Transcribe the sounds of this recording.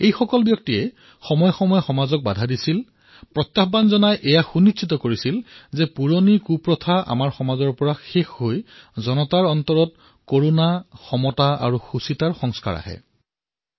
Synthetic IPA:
ejxɔkɔlbjɔk̚tijɛ | xɔmɔjɔxɔmɔjɔxɔmazɔk̚badʱadisil | pɹɔt̪ːaxbanzɔnajʔɛjaxunitsʰitɔkoɹisilzɛpuɹonikupɹɔtʰaa̰maɹxɔmazɔɹpɔɹaxexɦojzɔnɔtaɹɔntɔɹɔt̚ | koɹonaxɔmɔtaa̰ɹuxusitaɹxɔŋska̰ɹa̰hɛ̰

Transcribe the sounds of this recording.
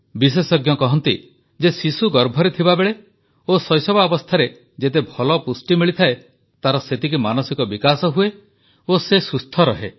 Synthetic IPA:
bis̬esɔɡjɔkɔɦɔnt̪i | d͡ʒesisuɡɔɾbʱɔɾet̪ʰibabeɭe | osɔjsɔbaɔbɔst̪ʰaɾe | d͡ʒet̪̬ebʱɔlɔpusʈimiɭit̪ʰae | t̪aɾɔset̪ik̬imanɔsikɔbikasɔɦue | osesust̪ʰɔɾɔɦe

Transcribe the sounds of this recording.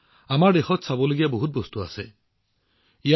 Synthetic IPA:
amaɹdexɔtsabɔloɡijaboɦut̚bɔstua̰sɛ | ija

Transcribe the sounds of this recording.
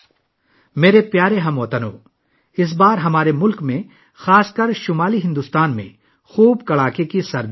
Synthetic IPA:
meːɾepjaːɾeɦɐ̃moːt̪əno̰ː | ɪs̬baːɾɦɐmaːɾemʊlkmẽ | xaːskəɾʃʊmaːliɦɪ̃nd̪uːst̪aːnmḛ̃ | xuːbkɐɭaːkekisɐɾd

